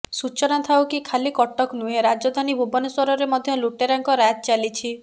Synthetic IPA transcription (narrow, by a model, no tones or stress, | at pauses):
sut͡ʃɔnat̪ʰawkikʰalikɔʈɔknuɦẽɾad͡ʒɔd̪ʱanibʱubɔnɔswɔɾɔɾemɔd̪ʱjɔluʈeɾaŋkɔɾat̪̚t͡ʃalit͡ʃʰi